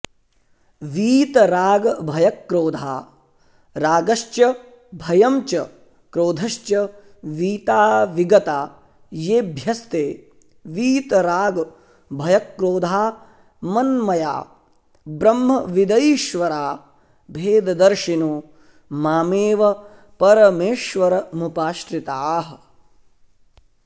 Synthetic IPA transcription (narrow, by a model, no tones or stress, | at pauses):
ʋiːt̪ɐɾaːɡɐbʱɐjɐkːɾoːd̪ʱaː | ɾaːɡɐʃtjɐ | bʱɐjɐmt͡ʃɐ | kɾoːd̪ʱɐʃt͡ʃjɐ | ʋiːt̪aːʋiɡɐt̪aː | jeːbʱjɐst̪eː | ʋiːt̪ɐɾaːɡɐ | bʱɐjɐkɾoːd̪ʱaː | mɐnmɐja̰ː | bɾɐmːɐʋid̪ɐjiʃʋɐɾaː | bʱeːd̪ɐd̪ɐɾʃinoː | maːmeːʋɐ | pɐɾɐmeːʃʋɐɾɐmupaːʃʈɾit̪aːɦɐ̆